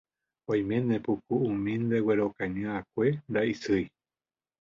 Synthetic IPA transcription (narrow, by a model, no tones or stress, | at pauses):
õj̃mẽnẽpukuũmĩnd̪eweɾokãɲãakʷend̪aisɨj